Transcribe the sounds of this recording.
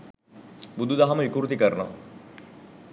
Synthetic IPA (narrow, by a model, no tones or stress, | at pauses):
bud̪ʱud̪aɦaməʋikuɾut̪ikəɾnoʋa̰